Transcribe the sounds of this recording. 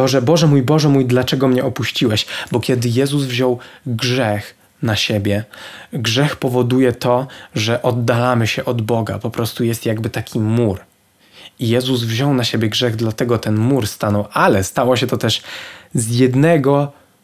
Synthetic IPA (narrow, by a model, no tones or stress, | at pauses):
ɔʐɛbɔʐɛmujbɔʐɛmujd̪lat͡ʂɛɡɔmɲɛʔɔpuɕt͡ɕiwɛɕbɔkʲjɛd̪ɘjɛzuzvʑɔwɡʐɛx | naɕebʲjɛɡʐɛxpɔvɔd̪ujɛt̪ɔʐɛʔɔd̪ːalamɘɕɛʔɔd̪bɔɡa̰pɔpɾɔst̪ujɛst̪jaɡbɘt̪akʲʰimuɾ | ijɛzuzvʑɔwnaɕebʲjɛɡʐɛɣd̪lat̪ɛɡɔt̪ɛnmuɾst̪anɔwʔalɛst̪awɔɕɛt̪ɔt̪ɛʂzjɛd̪nɛɡɔ